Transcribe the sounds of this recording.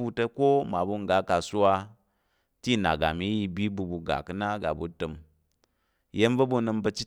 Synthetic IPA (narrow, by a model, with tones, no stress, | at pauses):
bu˧tə˧ko˦ma˨bu˧ŋ˨ɡa˨˦ka˨su˦a˧ | ti˦˨na̰˨ɡa̰˨mi˦ji˧bi˦bu˧bu˧ɡa̰˨kɨ˦na˦ɡa̰˨bu˨tɨ˧m | je˦mvə˦bu˧nɨ˧mbə˧t͡ʃi˦